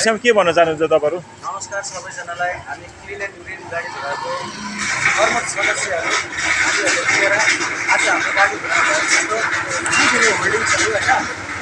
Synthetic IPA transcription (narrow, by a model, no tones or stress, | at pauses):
sʰamikebʱʌnːʌt͡sanuɦũnt͡sʰot̪ʌpaɾu | nʌmʌskarsʌbʌjd͡zʌnalajɦamikʰɾilenuɾinɡaɽib̪ʱuɾako | ɦʌrmʌt̪sʌd̪ʌsjaɦʌɾuamiʌɾot̪ieɾʌad͡zʌɦamɾoɡaɽib̪ʱuɾaekʌamɾokikiɾiɦolɖiŋsʰʌkoɦʌjnʌ